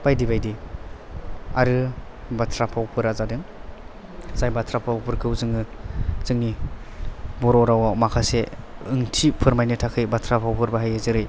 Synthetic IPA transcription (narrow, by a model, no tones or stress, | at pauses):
b̥ajdibajdi | aɾɯ | batʰɾapʰawpʰɯɾazadɯŋ | zajbatʰɾapʰawpʰɯɾkʰɯwzɯŋɯzɯŋni | bɔɾɔɾawamakʰaseɯŋtʰipʰɯɾmajnɯtʰakʰɯjbatʰɾapʰawpʰɯɾbaɦajazɯɾɯj